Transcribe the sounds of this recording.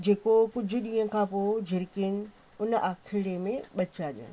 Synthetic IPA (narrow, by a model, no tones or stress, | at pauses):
d͡ʑeːkokʊd͡ʑʱʊ̆ɗiːɦə̃kʰãːpoːd͡ʑʱɪɾkɪn̆ | ʊnəʔaːkʰɪɽemẽɓɐt͡ɕaːd͡ʑḛ